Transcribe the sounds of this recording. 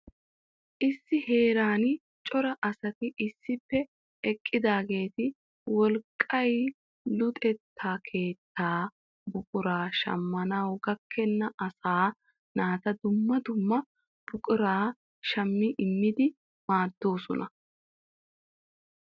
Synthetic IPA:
ʔɪsːɪhe̞ːɾaːn | t͡ʃʼɔɾɐʔɐsɐt̪ɪʔɪsːɪpːɛ | ɛkʼːɪd̪aːɡe̞ːt̪ɪ | wɔlkʼːɐj | lʊt̪ʼɛt̪ʰːaːkʰe̞ːt̪ːaː | bʊkʼʊɾaːʃɐ̰mːɐnɐwɡɐkʰːɛnːɐʔɐsaː | naːt̪ɐd̪ʊmːɐd̪ʊmːɐ | b̥ʊkʼʊɾaː | ʃɐmːɪʔɪmːɪd̪ɪ | maːd̪ːo̞ːsɔnɐ

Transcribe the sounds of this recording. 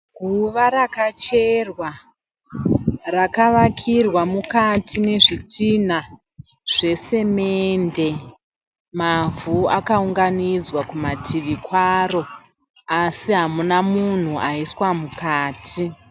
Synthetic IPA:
ɡʱuʋaɾakat͡ʃerwa | rakaʋakʰirwamukatʰine̞ʐitʰin̤a | ʐ̥e̞se̞mende̞ | mavuakauŋɡanid͡zwakumatʰiʋikwaro̞ | asiɦamunamun̤uʔaiswamukaːtʰi

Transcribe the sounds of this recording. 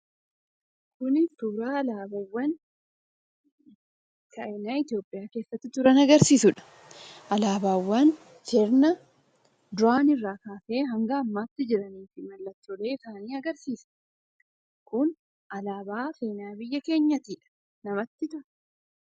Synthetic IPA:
kʊnɪsuːɾaːɐlaːbɐwːɐn | kʰɐenaːɪt̪ɪjo̞ːpʼːɪjaːke̞ːsːɐt̪ːɪt̪ʊɾɐnɐɡɐɾsiːsʊᶑɐ̥ | ʔɐlaːbaːwːɐn | t͡ʃɛɾnɐ | d̪ʊaːnɪrːaːkaːse̞ːɦɐŋɡɐːmːaːt̪ːɪd͡ʒɪɾɐniːfɪmɐlːɐt̪ːɔle̞ːɪsaːniːɐɡɐɾsiːsɐ̥ | kʊn | ʔɐlaːbaːfe̞ːnaːbɪjːɐke̞ːɲːɐt̪iːᶑɐ̥ | nɐmɐt̪ːɪt̪ʊɾɐ

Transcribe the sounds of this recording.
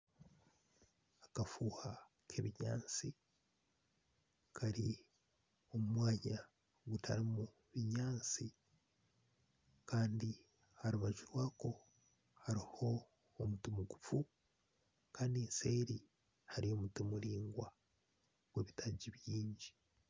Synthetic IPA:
akafuːha | kʰeβiɲa̰ːnt͡si | kʰaɾi | o̞mumwaːɲa | ɡutʰa̰ɾimu | βiɲaːnt͡si | kaːndi | haɾuβaʒiɾwaːko̞ | haɾiho̞ː | mutimuɡufu | kaːndense̞ːɾi | haɾio̞mutimuɾiːŋɡwa | ɡ̥weːβitaɟiβjiːɲɟi

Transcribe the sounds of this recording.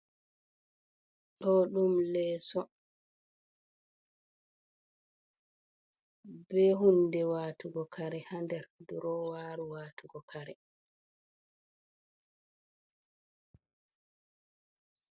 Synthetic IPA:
ɗɔɗumlɛːsɔ | bɛɦundɛwaːtuɡɔkʰaɾɛhandɛɾduɾɔwaːɾuwaːtuɡɔkʰaɾɛ

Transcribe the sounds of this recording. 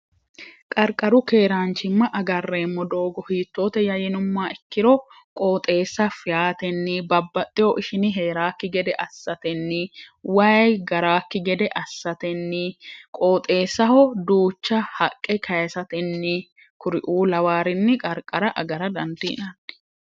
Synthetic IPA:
kʼɐɾkʼːɐɾʊke̞ːɾaːnt͡ʃɪmːɐʔɐɡɐrːeːmːɔd̪o̞ːɡɔhiːt̪ːo̞ːt̪ɛjɐjɛnʊmːaːɪkːɪɾɔ | kʼo̞ːt̪ʼe̞ːsːɐfɪjaːt̪ɛnːɪbɐbːɐt̪ʼːɪjɔʔɪʃɪnɪɦe̞ːɾaːkːɪɡɛd̪ɛʔɐsːɐt̪ɛnːɪwɐjɡɐɾaːkːɪɡɛd̪ɛʔɐsːɐt̪ɛnːɪkʼoːt̪ʼe̞ːsːɐhɔd̪uːt͡ʃːɐhɐkʼːɛkʰɐjsɐt̪ɛnːɪ | kʊɾɪʔuːlɐwaːɾɪnːɪkʼɐɾkʼːɐɾɐʔɐɡɐɾɐd̪ɐnd̪ɪɪ̰nɐnːɪ̥

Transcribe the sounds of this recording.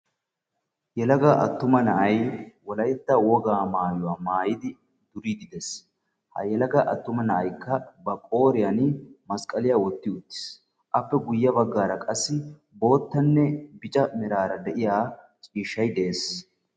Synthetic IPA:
jɛlɐɡɐʔɐ̰t̪ːʊmɐnɐʔɐjwɔlɐjt̪ːɐwɔɡaːmaːjʊwaːmaːjɪd̪ɪ | d̪̥ʊɾid̪ɪd̪ɛs | hɐ̰jɛlɐɡɐʔɐ̰t̪ːʊmɐnɐʔɐjkːɐbɐkʼo̞ːɾɪjanmɐskʼɐlɪjaːwɔt̪ːɪʊt̪ːɪ̥s | ʔɐpːɛɡʊjːɐbɐɡːaːɾɐkʼɐsːɪ | bo̞ːt̪ːɐnːɛbɪt͡ʃʼɐmɪɾaːɾɐd̪ɛʔɪjaː | t͡ʃʼiːʃːɐjd̪eeːs

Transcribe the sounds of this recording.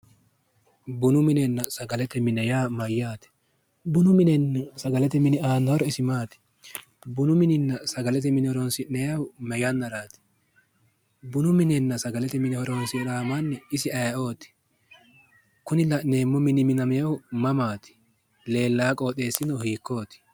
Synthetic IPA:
bʊnʊmɪnɛnːɐsɐɡɐlɛt̪ɛmɪnɛjaːmɐjːaːt̪ɛ̥ | bʊnʊmɪnɛnːɐsɐɡɐlɛt̪ɛmɪnɪaːnːɐhɔɾɔɪsɪmaːt̪ɪ̥ | bʊnʊmɪnɪnːɐsɐɡɐlɛt̪ɛmɪnɪhɔɾɔnsɪnɛjɐwʊmɛjɐnːɐɾaːt̪ɪ̥ | bʊnʊmɪnɛnːɐsɐɡɐlɛt̪ɛmɪnɪhɔɾɔnsɪɾaːmanːɪɪsɪɐjɐo̞ːt̪ɪ̥ | kʊnɪlɐne̞ːmːɔmɪnɪmɪnɐmɛjɐwʊmɐmaːt̪ɪ̥ | le̞ːlːaːkʼo̞ːt̪ʼe̞ːsːɪnɔhiːkːo̞ːt̪ɪ̥

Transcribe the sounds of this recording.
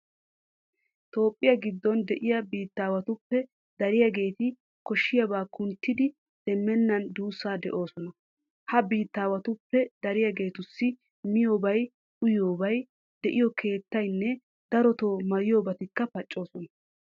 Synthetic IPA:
t̪o̞ːpʼːɪjɐɡɪd̪ːɔnd̪ɛʔɪjɐbiːt̪ːaːwɐt̪ʊpːɛ | d̪ɐɾɪjɐɡe̞ːt̪ɪ | kɔʃːɪjɐbaːkʰʊnt̪ːɪd̪ɪ | d̪̥ɛmːɛnːɐnd̪uːsːaːd̪ɛ̰ʔo̞ːsɔnɐ | hɐbiːt̪ːaːwɐt̪ʊpːɛd̪ɐɾɪjɐɡe̞ːt̪ʊsːɪ | mɪjo̞ːbɐj | ʔʊjoːbɐj | d̪ɛʔɪjɔkʰe̞ːt̪ːɐjnːɛ | d̪̥ɐɾɔt̪oːmɐjɪjo̞ːbɐt̪ɪkːɐpɐt͡ʃʼːo̞ːsɔnɐ

